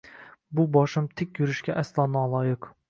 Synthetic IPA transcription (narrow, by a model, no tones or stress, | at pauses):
bubɑʃɨmt̪ʰɪkʲjyɾyʃkʲɛʔæslˠɑːnɑːlˠɑːjɨq